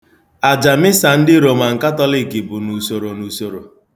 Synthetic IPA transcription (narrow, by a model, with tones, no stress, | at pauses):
a˨d͡ʒa˨mɪ˦sa˨n̩˦dɪ˦ɾo˨ma˨ŋ̩˨ka˦tɔ˦lɪ˦ki˨bʊ˨nu˨so˨ɾo˨nu˨so˨ɾo˨